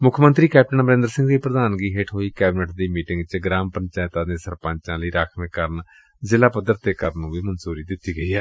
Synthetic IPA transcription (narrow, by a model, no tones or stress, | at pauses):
mʊkʰmənt̪ɾiːkɛːp̚ʈənbəɾẽnd̪əɾsɪ̃ŋɡd̪iːpɾəd̪aːnɡiːɦeʈʰɦoːiːkɛːbnəʈd̪iːmiːʈɪ̃ŋɡt͡ʃɡɾaːmpəɲt͡ʃɛːt̪ãːd̪ẽːsəɾpə̃ɲt͡ʃãːləiːɾaːkʰmẽːkəɾn | zɪlaːpəd̪ːəɾt̪eːkəɾnũːʋiːmənsuːɾiːd̪ɪt̪ːiːɡəiːɛː